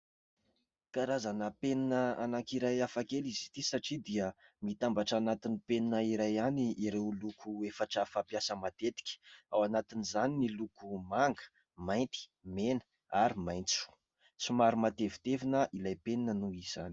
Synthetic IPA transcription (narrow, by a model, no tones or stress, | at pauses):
kaɾazanəpeninəanaŋkiɾajafakelizi̥t̪isaʈ͡ʂid̪iəmit̪ambaʈ͡ʂanat̪inipeninəiɾajaniiɾewlukʰuefaʈ͡ʂafapjasəmat̪et̪i̥kʲə̥awanat̪inizaninilukumaŋɡə̥ | majnt̪i̥menə̥ | aɾimajnt͡su̥ | t͡simaɾumat̪evi̥t̪evinəʔilajpeninənuiz̥ani̥